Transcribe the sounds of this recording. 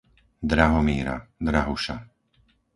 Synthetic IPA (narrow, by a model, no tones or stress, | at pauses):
d̪ɾaɦɔmiːɾa̰d̪ɾaɦuʃa̰